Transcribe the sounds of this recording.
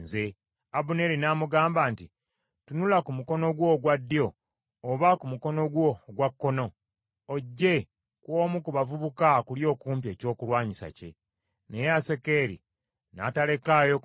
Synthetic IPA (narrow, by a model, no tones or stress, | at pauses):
ze | aβune̞ɾinaːmuɡaːmbaːnti | tunulakumuko̞no̞ɡwo̞ɡwadːjo̞ː | βakumuko̞no̞ɡwo̞ɡwakːo̞no̞ː | ɟːe̞ | kwo̞ːmukuβavuβukakuljo̞ːkuːmpje̞ːco̞ːkulwaːɲisa̰ce̞̰ | ne̞jease̞ke̞ɾḭ | na̰ːtale̞kaːjo